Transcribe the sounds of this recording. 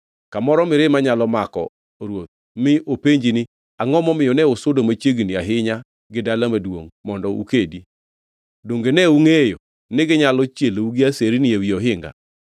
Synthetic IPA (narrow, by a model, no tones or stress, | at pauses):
kamɔɾɔmɪɾɪmaɲalɔmakɔ̰ | ɾwot̪̚ | mɪʔopeɲd͡ʒinɪ | aŋɔmɔmɪjɔnɛʊsʊdomat͡ʃeɡiniaɦɪɲa | ɡɪdalamadwo̰ŋmɔndɔṵkedi | doŋɡenɛuŋejo | nɪɡɪɲalɔt͡ʃjeluɡɪaseɾinɪewiɔɦɪŋɡa̰